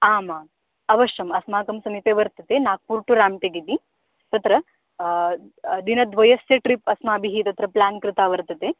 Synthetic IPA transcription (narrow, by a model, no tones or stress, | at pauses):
aːmaː | ɐʋɐʃɐmɐsmaːkɐmsɐmip̪eːʋɐɾt̪ɐt̪eːnaːk̚puɾʈuɾaːmʈ̪eɡit̪i | t̪ɐt̪ɾɐ | d̪inɐd̪ʋɐjɐsjeʈɾipɐsmaːbʱiɦit̪ɐt̪ɾɐplaːnkɾɪt̪aːʋɐɾt̪ɐt̪e